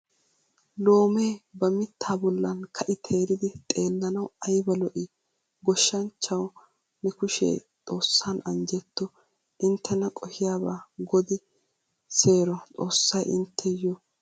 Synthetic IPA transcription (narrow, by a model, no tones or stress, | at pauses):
lo̞ːmeːbɐmɪt̪ːaːbɔlːɐnkʰɐʔɪt̪ʰeːɾɪd̪ɪt̪ʼe̞ːlːɐnɐwɐjbɐlɔʔɪ | ɡɔʃːɐnt͡ʃːɐw | mɪkʊʃḛːt̪ʼo̞ːsːanɐnd͡ʒɛt̪ːɔ | ʔɪnt̪ʰːɛnɐkʼɔhɪjaːbaːɡɔd̪ɪ | se̞ːɾɔt̪ʼo̞ːsːɐjʔɪ̰nt̪ʰːɛjɔ